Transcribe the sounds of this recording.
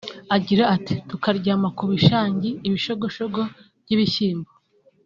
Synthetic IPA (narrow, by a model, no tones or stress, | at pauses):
aɟiɾaati̥tukaɾɟaːmakuβiʃaːɲɟiːβiʃoɡo̞ʃoɡo̞βɟiβiçiːmbo